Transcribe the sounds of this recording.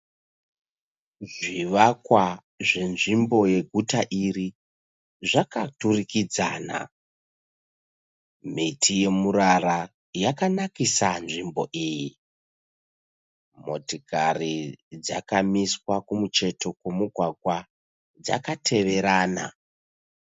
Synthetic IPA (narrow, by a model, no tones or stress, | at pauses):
ʐiʋakwa | ʐenʐimbo̞je̞ɡʱutaʔiri | ʐakaturikid͡zaːna̰ | mitʰije̞muɾaɾa | jakanakisanʐimbo̞̰ʔiːji | mo̞̰tikarid͡za̰kamiswakumut͡ʃe̞to̞kwemuɡʱwaɡʱwa | d͡za̰katʰe̞ʋe̞ɾaːna̰